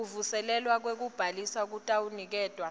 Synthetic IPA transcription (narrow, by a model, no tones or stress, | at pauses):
uvusɛlɛlwak̬wek̬ub̥ʱalisak̬utʼawunik̬ɛːd̥ʼʱwa